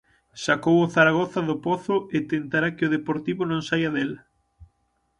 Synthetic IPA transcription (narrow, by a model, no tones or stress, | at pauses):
sakowoθaɾaɣ̞ɔθɐðʊpoθʊet̪ent̪aɾakɪoðepoɾt̪iβonõŋsajɐðelɐ